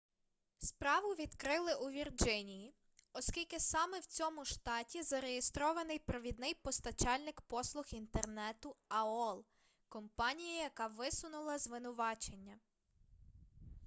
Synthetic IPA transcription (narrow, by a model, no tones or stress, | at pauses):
spɾɑʋʊʋʲid̪kɾɪlˠɪʔuʋʲird͡ʒɪnʲiji | ɔskʲilʲkɪsɑmɛwt͡sʲɔmʊʃt̪ɑtʲizɐɾejest̪ɾɔʋɐnɪjpɾɐʋʲid̪nɪjpɔst̪ɐt͡ʃɑlʲnɪkpɔslˠʊxint̪ernɛt̪ʊɐɔlˠ | kɔmpɑnʲijɐjɐkɑʋɪsʊnʊlˠɐzʋɪnʊʋɑt͡ʃenʲːɐ